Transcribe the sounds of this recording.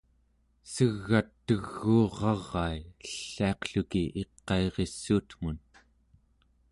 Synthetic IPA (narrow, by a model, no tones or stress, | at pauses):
səɣːat̪ːəɣːuːʁɑʁːɑiəɬːiɑqɬukiʔeqːɑeʁe̞sːuːt̪m̥un